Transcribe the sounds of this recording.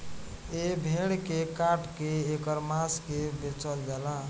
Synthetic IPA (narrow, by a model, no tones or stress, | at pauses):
ebʱeɽkekaʈkeːkəɾmaskebet͡ʃəld͡ʒala